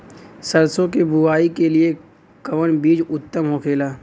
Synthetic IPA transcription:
sɐɾsõkebʊaːikelie | kɐʋənbiːd͡ʒʊt̪ːəmɦoːkʰeːlaː

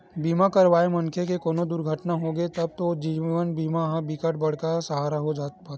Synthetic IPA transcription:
biːmakɐɾʋaːemɐŋkʰekekoːnod̪ʊɾɡʱəʈnaɦoɡet̪ɐb̚t̪od͡ʒiːʋənbiːmaɦabikəʈ̚bɐɽ̤kasəɦaːɾaɦod͡ʒaːt̪pʰɐt̪

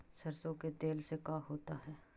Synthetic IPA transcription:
sɐɾsõket̪eːlsekaːɦoːt̪aɦɛː

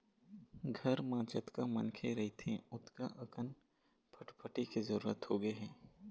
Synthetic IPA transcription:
ɡʱɐɾmãːt͡ʃət̪kamɐnkʰeɾɐɦit̪ʰẽʊt̪kaʔɐkən | pʰɐʈpʰəʈikizɐɾuːɾət̪hoɡəeɦɛ̃ː

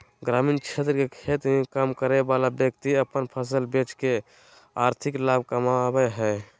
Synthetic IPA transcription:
ɡɾamint͡ʃʰet̪ɾəkekʰet̪mẽkamkəɾebalabjək̚t̪iəpənpʰəs̬əlbet͡ʃke | aɾt̪ʰiklab̚kəmabəɦɛ

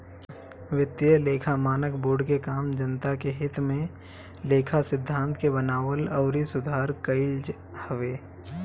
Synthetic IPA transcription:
ʋɪt̪ːjəleːkʰamaːnəkboːɾɖkekaːmd͡ʒɐnt̪akeɦɪt̪mẽ | leːkʰasɪd̪ʱːãːnt̪ʰkebənaːwəlɐːɾisʊd̪ʱaːɾkəɪld͡ʒ | hɐʋeː

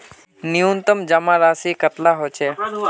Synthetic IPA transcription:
niunt̪əmd͡ʒɐmãɾaːsikət̪laɦoːt͡ʃeː

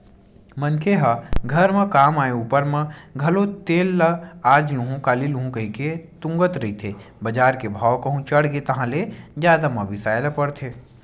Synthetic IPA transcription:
mɐnkʰeɦaɡʱɐɾmɐ̃kaːmaːeuːpəɾmɐ̃ɡʱɐlot̪eːlːaaːd͡ʒjũɦũkaːlilũɦũkɐɦiket̪ʊ̃ŋɡət̪ɾɐɦit̪ʰeː | bɐd͡ʒaːɾkebʱaːwkɐ̃ɦũt͡ʃɐɽɡet̪ɐɦãled͡ʒjaːd̪amɐ̃ʋɪsaːjlɐpɐɽt̪ʰeː

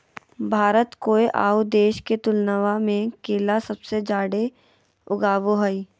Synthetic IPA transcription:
bʱaːɾət̪koːeʔa̰ːud̪eːʃket̪ʊlnəʋamẽkeːlasɐbsed͡ʒaːɽe | ʊɡaːʋoɦəi

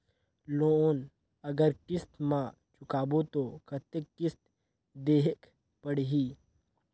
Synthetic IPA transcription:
lon | ɐɡəɾkɪst̪mã | t͡ʃʊkaːbot̪oːkʰɐt̪ekːɪst̪ | d̪eːɦek | pəɽɦiː

